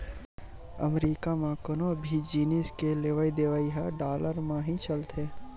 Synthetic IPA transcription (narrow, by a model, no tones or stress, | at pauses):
ə̰mɾiːkamãkənõbʱid͡ʒiːniskeleʋaːid̪eʋaːiɦaɖaːləɾmãɦĩt͡ʃəlt̪ɦeː